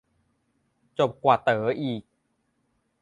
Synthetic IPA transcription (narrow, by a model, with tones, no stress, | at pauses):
t͡ɕo˨˩p̚kwaː˨˩t̪ɤː˩˦ʔiː˨˩k̚